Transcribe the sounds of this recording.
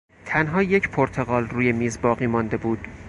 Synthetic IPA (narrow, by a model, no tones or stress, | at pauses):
t̪ʰænɦɒːje̞cʰpʰoɾt̪ʰeɣɒːlruːje̞miːzbɒːɣiːmɒnd̪e̞buːd̪̥̚